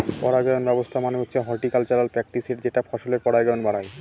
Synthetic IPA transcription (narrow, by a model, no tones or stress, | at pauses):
pɔɽaɡɛonbɛbost̪ʰamaneut̪ːɕʰeɦɔɾʈikalt͡ɕalalpɾɛk̚ʈiseɾd͡ʑeʈafʰɔʃoleɾpɔɽajɡɔonbaɽaj